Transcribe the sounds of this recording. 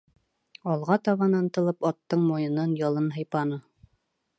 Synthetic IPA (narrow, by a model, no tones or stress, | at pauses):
ɑlˠʁɑt̪ɑβɑnɑnt̪ɤ̆lˠɤpɑt̪ːɤɴmojɤ̆nɤnjɑlˠɤnɦɤ̆jpɑnɤ